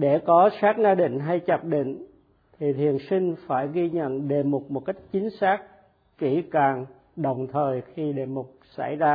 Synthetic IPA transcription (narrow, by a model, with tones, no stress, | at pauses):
ɗe˧˩kɔ˨˦saː˦˥k̚zaː˧ɗḭ̈˧˨ŋ̟ɦa˧jt͡ɕə˨˩p̚ɗḭ˧˨ŋ̟ | t̪ʰi˨˩t̪ʰi˨˩ənsï˧ŋ̟faː˧˩jɣi˧ɲə̰˧˨nɗe˨˩mo˨˩k͡p̚mo˨˩t̚ka˦˥jk̟̚t͡ɕï˨˦ŋ̟saː˦˥k̚ | ki˧˩kaː˨˩ŋ | ɗə˨˩wŋ͡mt̪ʰəː˨˩jxi˧ɗe˨˩mʊ˨˩k͡p̚sa̰˧˩jzaː˧